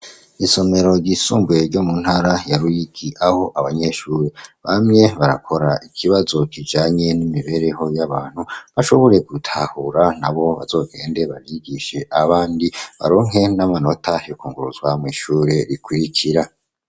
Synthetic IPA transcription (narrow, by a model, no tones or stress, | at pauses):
iso̞me̞ɾo̞isuːmɡwe̞ɾɟomun̥haɾajaɾujiɡiʔaho̞ʔaβaɲe̞ʃuːɾe̞βamɲe̞βaɾa̰kʰo̞ɾaikʰiβazo̞kid͡ʒaːɲe̞nimiβe̞ɾe̞ho̞jaβaːn̥huβaʃo̞βo̞ɾe̞ɡutʰahuɾanaβo̞βa̰zo̞ːɡe̞ːnde̞βaɾiiɡiʃe̞ʔaβaːndiβa̰ɾoːŋɦe̞namano̞tʰajokuːŋɡuɾuzwamŋiːʃuːɾe̞ɾikwiɾikʰiɾa